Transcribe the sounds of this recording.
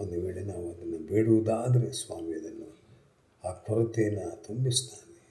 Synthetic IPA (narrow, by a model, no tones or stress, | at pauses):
ond̪uʋeːɭenaːʋuɐd̪ɐnːɐbeːɽuʋud̪aːd̪ɐɾe̞sʋaːmiɐd̪ɐnːu | aːkʰɐlɐt̪eːnːat̪ombist̪aːne